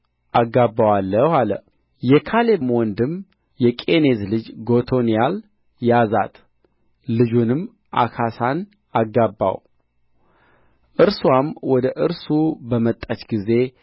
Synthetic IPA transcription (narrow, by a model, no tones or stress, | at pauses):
ʔaɡːabːawalːəhalə̰ | jɛkʰalemwɔnd̪ɨm | jɛkʼe̞ne̞zlɨd͡ʒɡo̞t̪ʰo̞nijal | jaza̰t̪ | lɨd͡ʒunɨm | ʔa̰kʰasan | aɡːabːa̰w | ʔɨɾswamwɔd̪əʔɨɾsubəmət̪ʼːat͡ʃɡize̞